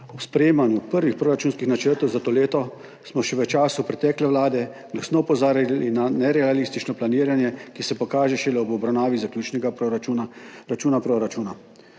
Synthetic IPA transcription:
ɔspɾɛjeːmanjupəɾʋixpɾoːɾat͡ʃuːnskixnat͡ʃəɾt̪ɔwzat̪oːleːt̪ɔ | smɔʃɛʋɛt͡ʃaːsupɾɛt̪ɛːklɛʋlaːd̪ɛ | ɡ̥lasnɔupɔzaːɾilinanɛɾɛalist̪it͡ʃnɔplaniːɾanjɛkisɛpɔkaːʒɛʃɛlɛɔbɔbɾawnaːʋizaklʲjuːt͡ʃnɛɡauɾat͡ʃuːnapɾoɾat͡ʃuːna

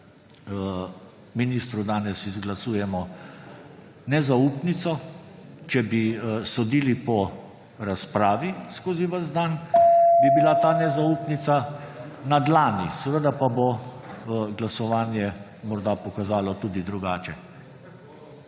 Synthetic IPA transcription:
miniːst̪ɾud̪aːnɛsizɡlasuːjɛmɔ | nɛzauːpnit̪sɔ | t͡ʃɛbisɔd̪iːlipɔ | ɾaspɾaːʋiskoːziʋəzd̪anbibilat̪aːnɛzauːpnit̪sa | nad̪laːnisɛʋəd̪apabɔ | ɡlasɔʋaːnjɛ | mɔɾd̪apɔkazaːlɔt̪uːd̪id̪ɾuɡaːt͡ʃɛ

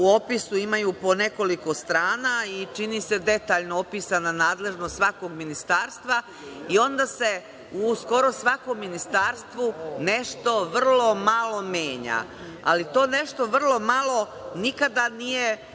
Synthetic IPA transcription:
uo̞pisuimajuːpo̞ne̞ko̞liko̞st̪ɾaːnait͡ʃinise̞d̪e̞t̪aːʎnoopiːsananaːd̪le̞ʒnost̪sʋako̞ɡminist̪aːɾst̪ʋa | io̞nd̪ase̞ | usko̞ɾosʋako̞mːinist̪aːɾst̪ʋune̞ʃt̪o̞ʋr̩lo̞malo̞mjeːɲa̰ | a̰lit̪o̞ːne̞ʃt̪o̞ʋr̩lˠo̞malo̞ | nikad̪anije

